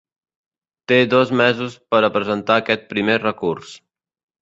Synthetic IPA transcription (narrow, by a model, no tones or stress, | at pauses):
t̪eðɔzmɛzuspəɾəpɾəzənt̪aəkɛt̪̚pɾimerəkurs